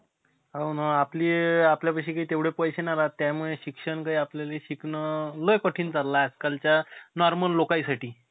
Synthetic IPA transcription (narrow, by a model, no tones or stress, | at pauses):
ɦawnaapliːapljapaɕiːkaiːt̪eʋɽepəjɕenaɾat̪ːjamuɭeɕikʂəɳkaiapljaleɕiknələjkəʈʰiːnt͡salːaːd͡zkalt͡ɕjanɔɾməlːokaisaʈiː